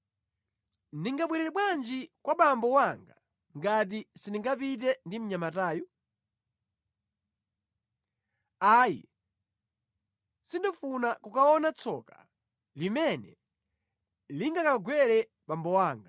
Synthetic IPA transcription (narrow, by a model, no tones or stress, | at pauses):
ndiŋɡaɓwɛɾɛɾɛɓwand͡ʒikwaɓambɔwaŋɡa | ŋɡat̬isiniŋɡapit̬ɛndim̩ɲamataːju | aːjḭ | sindɔfunakukaɔnat͡sɔkḁ | limɛnɛ | liŋɡakaɡwɛɾɛ | ɓambɔwaːŋɡa